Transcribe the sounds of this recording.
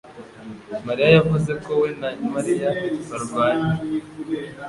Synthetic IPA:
maɾijajavuze̞ko̞wenamaɾijaβaɾuɡwaːɲi

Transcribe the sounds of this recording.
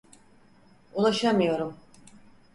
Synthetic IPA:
ulˠaʃamɯjo̞ɾum

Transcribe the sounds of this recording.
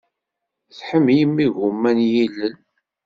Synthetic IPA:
θħəmːjəmːiɣumːænjilːən

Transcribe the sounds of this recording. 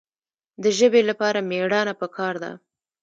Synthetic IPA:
d̪əʒəbelapɑɾameɽɑnapəkʰɑɾd̪a̰

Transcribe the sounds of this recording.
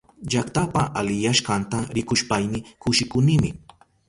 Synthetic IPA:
ʎakt̪apaʔalɪjaʃkant̪aɾɪkʊʃpajnɪkʊʃɪkʊnɪmɪ

